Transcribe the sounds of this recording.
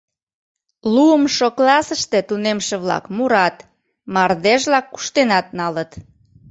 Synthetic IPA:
luəmʃoklɑsəʃt̪e̽t̪unemʃeβlɑ̰kmuɾɑt̪ | mɑrd̪eʒβlɑkːu̥ʃt̪enɑt̪̚nɑlət̪

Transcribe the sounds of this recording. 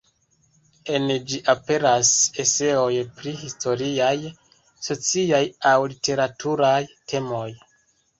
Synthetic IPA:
e̞nd͡ʒiʔape̞ɾasese̞o̞jpɾihistʰo̞ɾiaj | so̞t͡siajawlite̞ɾatʰuɾajtʰe̞mo̞j

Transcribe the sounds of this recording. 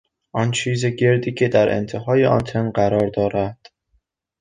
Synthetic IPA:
ʔɒnt͡ʃʰiːze̞ɟe̞ɾd̪iːcʰe̞d̪æɾʔḛnt̪ʰeɦɒːjeʔɒ̰nt̪ʰenɢæɾɒːɾd̪ɒːɾæd̪̥

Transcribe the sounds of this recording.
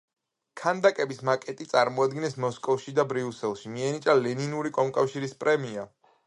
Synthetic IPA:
kʰand̪akʼɛbismakʼɛt̪ʼit̪sʼaɾmɔad̪ɡinɛsmɔskʼɔfʃid̪abɾiusɛlˠʃimiɛnit͡ʃʼalɛninuɾikʼɔmkʼafʃiɾispʼɾɛmia

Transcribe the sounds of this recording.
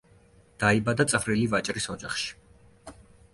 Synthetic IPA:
d̪̥aibad̪at̪sʼvɾilivat͡ʃʼɾisɔd͡ʒaχʃi̥

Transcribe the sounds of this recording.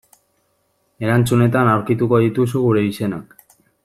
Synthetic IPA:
e̞ɾant͡sune̞t̪anawɾkit̪uko̞ð̞it̪usuɣuɾe̞ise̞na̰k

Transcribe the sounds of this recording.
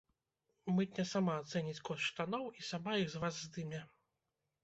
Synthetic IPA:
mɨt̪ʲnʲɛsamaːt̪sɛnʲit͡sʲkɔsʂt̪anɔwisamajiɣzvazːd̪ɨmʲɛ

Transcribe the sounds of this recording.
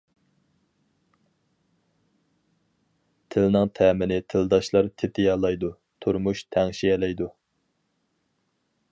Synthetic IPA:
t̪ʰɪlnɪŋt̪ʰɛːmɪnɪt̪ʰɪld̪ɑʃlˠɑɾt̪ʰɪt̪ɪjɑːlˠɑjd̪u | t̪ʰuɾmuʃt̪ʰɛŋʃiɛlɛjd̪u

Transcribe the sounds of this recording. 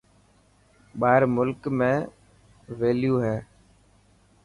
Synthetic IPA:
ɓaːɾmʊlkmẽː | ʋeːljuːɦɛː

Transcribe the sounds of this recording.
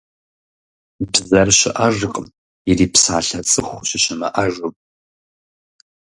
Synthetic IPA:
bzɐrɕɪʔaʒɨqʼm | iriːpsaːɬɐt͡sʼɨχʷɕɪɕɪmɐ̰ʔaʒɨpʼ

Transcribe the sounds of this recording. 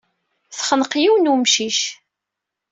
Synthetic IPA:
θχənqjiwnumʃiʃ

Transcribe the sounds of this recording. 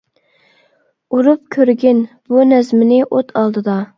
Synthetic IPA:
uɾup̚kʲʰøɾɡʲɪnb̥unɛzmɪnɪʔot̪ʰɑlˠd̪ɨd̪ɑ

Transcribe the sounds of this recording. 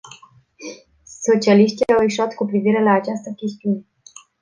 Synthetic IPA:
so̞t͡ʃialiʃt̪iawiʃuat̪kupɾiviɾe̞laːt͡ʃast̪əkʲe̞st̪iune̞

